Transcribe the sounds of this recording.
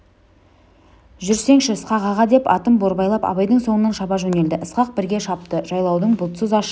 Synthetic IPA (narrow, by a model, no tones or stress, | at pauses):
ʒʏɾse̞ŋʃɪəsqɑqɑʁɑd̪e̞pɑ̰t̪əmboɾbɑjlˠɑpɑ̰βɑjd̪əɴso̞ɴənɑnʃɑbɑʒɵne̞ld̪ɪʔəsqɑq̚bɪɾɡʲeʃɑpt̪əʒɑjlˠɑwd̪əɴbʊlˠt̪səzɑʃ